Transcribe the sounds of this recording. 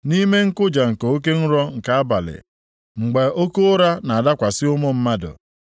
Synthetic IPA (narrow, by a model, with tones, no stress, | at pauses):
ni˦me˦ŋ̩˦kʊ˦d͡ʒa˨ŋ̩˨ko˨o˦k̬e˦n̩˦ɾɔ˦ŋ̩˨ka˨a˦ba˨lɪ̰˨ | ŋ͡m̩˨ɡ͡be˨o˦ko˦o˦ɾa˦na˨a˨da˦kʷa˨sɪ˦ʊ˦mʊ˦m̩˦ma˦dʊ̰˨